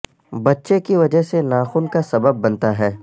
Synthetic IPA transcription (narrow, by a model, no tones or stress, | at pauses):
bɐtːʃekiʋɐd͡ʒəɦsenaːxuːnkasɐbəbːɐnt̪aɦɛː